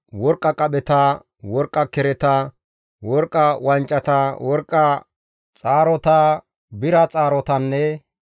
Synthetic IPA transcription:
wɔɾkʼːɐkʼɐɓɛt̪ɐ | wɔɾkʼːɐkɛɾɛt̪ɐ | wɔɾkʼːɐwɐnt͡ʃʼːɐt̪ɐwɔɾkʼːɐ | t͡sʼaːɾɔt̪ɐ | bɪɾɐt͡sʼaːɾɔt̪ɐnːɛ

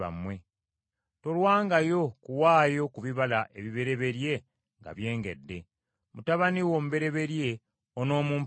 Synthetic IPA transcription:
a̰mwe̞ | to̞lwaːŋɡajo̞kuwaːjo̞kuβiβalaʔe̞βiβe̞ɾe̞βe̞ɾje̞ | ŋɡa̰βje̞ːŋɡe̞̰dːe̞ | mutaβaniwoːmuβe̞ɾe̞βe̞ɾje̞ | ono̞ːmuːm

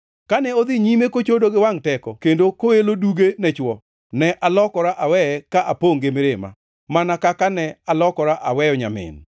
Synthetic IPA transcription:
kanɛod̪ɪɲimekot͡ʃodoɡɪwaŋtɛkɔkendokoeloduɡenɛt͡ʃwɔ | nɛʔalɔkɔɾaʔawɛkaʔapoŋɡɪmɪɾɪma̰ | manakakanɛalɔkɔɾaʔawɛjɔɲa̰mɪ̰n

